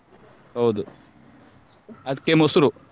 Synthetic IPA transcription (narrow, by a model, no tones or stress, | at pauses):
ɦɐwd̪u | ɐd̪kːemusɾu